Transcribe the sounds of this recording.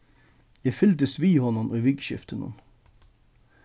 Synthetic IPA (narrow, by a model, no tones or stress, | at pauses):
jæfʏld̪əst̪ʋiːhɔnɔmʔoʋɪɡʃʏ̰ft̪ʰənʊ̰n